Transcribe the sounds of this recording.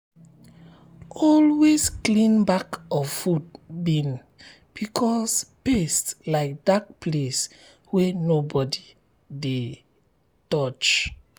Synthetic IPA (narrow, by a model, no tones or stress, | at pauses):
ɔlwesklĩnbakɔfud̚bĩn | b̥ikʰɔspestlaɪk̚d̥ak̚pʰles | wɛnobɔdi | de | tɔt͡ʃ